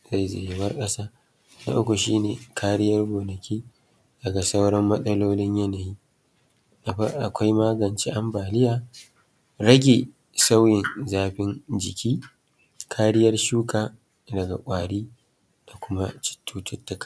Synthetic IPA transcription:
za˦jza̰ː˨ji˨˦wɐ˦rkʼɐ˦saː˦ | na̰˦ʔʊ˦kʷu˨ʃiː˦neː˨kʰaː˦ɽɪ˦jɐ˦rɡʷoː˨nɐ˨kʲʰiː˦ | dɐ˨ɡa˨sa˦wɽɐ˦mːɐ˦sɐ˦loː˦lɪ˦ɲjɐ˦na˨jiː˦˨˦ | ʔa˨kʷa˦jmaː˦ɡɐ˨nt͡ʃiː˦ʔa˦mbaː˨lɪ˦jaː˨ | ɾɐ˦ɡʲe˨ | sa˦wjɪ˨nzaː˦ɸɪ˦nd͡ʒɪ˨kʲiː˦ | kʰaː˦ɾɪ˦jɐ˦rʃuː˦kaː˨ | dɐ˨ɡa̰˨kʷʼaː˨ɽiː˦ | d̥a˨kʷʊ˦ma˦t͡ʃɪ̥˦tːuː˦tʊ˦tːɐ˨˦kḁ˦˨

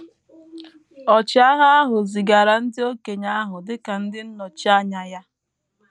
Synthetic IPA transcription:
ɔ˨t͡ʃɪ˦a˦ɦa˦a˦ɦʊ˨zi˨ɡa˨ɾa˨n̩˦dɪ˦o˦ke˨ɲa˦a˦ɦʊ˨dɪ˦ka˨n̩˦dɪ˦n̩˦nɔ˨t͡ʃa˦ɲa˨ja˦

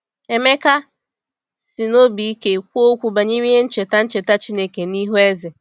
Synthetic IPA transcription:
e˨me˦ka˦ | si˨no˦bi˨i˦ke˨kʷo˦kʷu˨ba˨ɲi˦m˦e˦n̩˦t͡ʃe˨ta˦n̩˦t͡ʃe˨ta˦t͡ʃi˦ne˦ke˨ni˦ɦu˦e˦zɪ˨

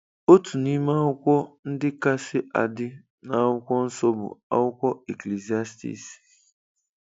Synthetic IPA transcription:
o˦tu˨ni˦ma˦ʊ˦kʷɔ˦n̩˦dɪ˦ka˦sɪ˦ʔa̰˨dɪ˦ | na˨˦ʊ˦kʷɔ˦n̩˦sɔ˦bʊ̰˨a̰˦wʊ˦kʷɔ˦e˨kle˨zi˨a˦stḭ˨s

